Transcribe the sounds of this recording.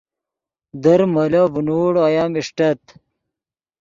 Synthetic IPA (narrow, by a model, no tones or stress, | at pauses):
d̪ɐɾmɐlɐvunuːɽoɐjaːmiʂʈɐt̪